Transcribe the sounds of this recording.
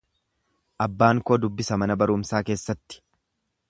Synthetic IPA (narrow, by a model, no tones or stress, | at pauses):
ʔɐbːaːŋkoːd̪ʊbːɪsɐmɐnɐbɐɾʊːmsaːke̞ːsːɐt̪ːɪ̥